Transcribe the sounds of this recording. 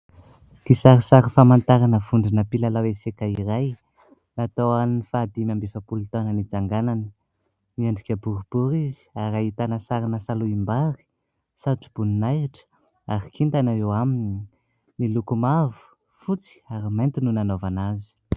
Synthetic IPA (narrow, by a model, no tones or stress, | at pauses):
kisaɾisaɾifamant̪aɾanəvuɳɖ͡ʐinəpilalawesekaiɾaj | nat̪owanifad̪imʲambefapulut̪onənid͡zaŋɡananə | miaɳɖ͡ʐikʲəbuɾub̥uɾizi̥aɾait̪anəsaɾinasaluimbaɾi̥ | saʈ͡ʂub̥uninajiʈ͡ʂə̥ | aɾikint̪anaewamini | nilukumavu̥ | fut͡si̥aɾimant̪ununanovanazi̥